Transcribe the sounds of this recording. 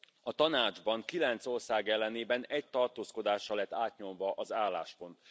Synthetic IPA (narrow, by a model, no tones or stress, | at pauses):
ɒt̪ɒnaːd͡ʒbɒŋkilɛnt̪so̞rsaːɡɛlːɛneːbɛnɛc̚t̪ɒrt̪oːsko̞d̪aːʃːɒlɛt̪ːaːt̪ɲo̞mvɒʔɒzaːlːaːʃpo̞nt̪